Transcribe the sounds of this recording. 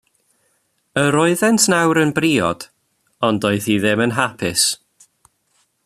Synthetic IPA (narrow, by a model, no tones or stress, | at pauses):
əɾɔɨðɛntʰnawɾənbriːɔ̰d̥ | ɔndoɨθiðɪmənɦapʰɪs